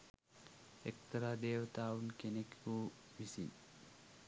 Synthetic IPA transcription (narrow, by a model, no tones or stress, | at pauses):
ekt̪ɐɾaːd̪eːʋət̪aːʋunkenekuː | misin